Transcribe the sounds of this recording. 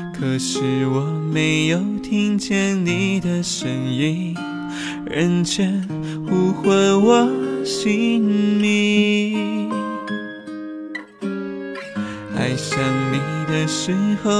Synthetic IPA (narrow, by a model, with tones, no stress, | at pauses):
kʰɤ˧˦ʂɻ̩˧˩wɔ˨˩˦me˧˥ɪjo˨˧ʊt̪ʰi˥ŋt͡ɕjɛ˥nni˨˩d̪ə˧˩ʂə˧˩ni˧˥n | ɻə˧˥nt͡ɕʰɥɛ˧˥n | xu˧xwə˧nwɔ˨˩ɕi˧˥nni˧ | xa̰˧ɪʂə˧˩nmi˨˧˦d̪ə˧ʂ̩˧˥xo˧